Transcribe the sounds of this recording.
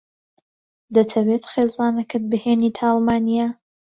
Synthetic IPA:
d̪ɐt̪ʰɐwet̪χeːzaːnɐkɨt̪̚bɨheːnit̪ʰaːlˠmaːnija

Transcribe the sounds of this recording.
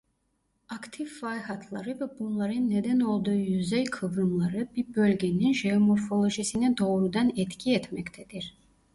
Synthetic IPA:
akt̪ʰifːɑjɦɑt̪ʰlˠɑɾɯvɛbunlˠɑɾɯnːed̪ɛno̞lˠd̪uːjyzɛjkʰɯvɾɯmlˠɑɾɯbiɾbø̞lʲɡʲeninʒeomoɾfo̞lˠo̞ʒisinɛd̪o̞ːɾud̪ɑnɛt̪cʰiɛt̪mɛct̪ʰɛd̪iɾ

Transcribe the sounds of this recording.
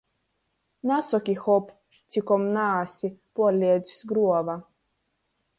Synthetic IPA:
nasɔkixɔp | t͡sikɔmnaːsipoletsɡɾuoʋa

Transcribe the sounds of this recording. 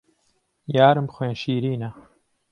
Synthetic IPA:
jaːɾɨmbxweːnʃiːɾiːnɐ

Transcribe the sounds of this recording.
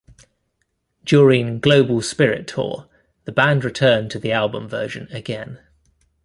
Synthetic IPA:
d̥jɔːɹɪ̃ŋɡ̥ləʊbəlˠspɪɹɪ̰tʰɔ̰ː | ðəbãndɹɪtʰɜːntʰəðialˠbə̰̃ɱvɜːʒə̃nəɡɛ̃n

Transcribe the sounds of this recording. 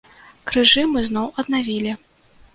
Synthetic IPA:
kɾɨʐɨmɨznɔwʔɐd̪navʲilʲi

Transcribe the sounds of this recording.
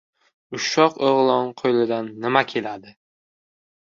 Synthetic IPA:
ʊʃɒqoʁlˠɒnqʰojlɪd̪anːɪmakʲʰe̞lad̪ɪ

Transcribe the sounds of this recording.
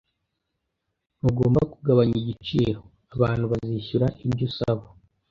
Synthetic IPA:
uɡo̞ːmbakuɡaβaɲiɟit͡ʃḭːɾo | aβaːn̥huβaziçuɾaʔibɟusa̰βo

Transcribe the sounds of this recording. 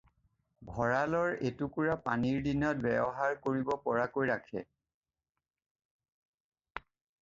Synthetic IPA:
bʱɔɹalɔɹetukuɹapa̰niɹdinɔt̚bɛbɔɦaɹkoɹibɔpɔɹakojɹakʰɛ̰

